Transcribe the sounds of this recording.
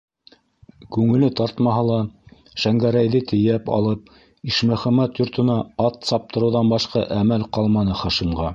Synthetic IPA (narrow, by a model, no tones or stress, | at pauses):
kʉŋɘ̆lɘt̪ɑɾt̪mɑɦɑlˠɑ | ʃæŋɡæɾæjðɘt̪ɘ̆jæpɑ̰lˠɤp̚ | iʃmæ̆χæmæt̪jŏɾt̪ɤ̆nɑɑt̪sɑp̚t̪ɤ̆ɾɤ̆wðɑnbɑʃqɑʔæmælqɑlˠmɑnɤχɑʃimʁɑ